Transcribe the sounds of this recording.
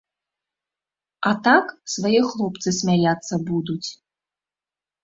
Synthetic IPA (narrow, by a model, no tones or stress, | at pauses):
ɐt̪aksvajɛxlˠɔpt̪sɨsʲmʲajʲat̪sːɐbud̪ut͡sʲ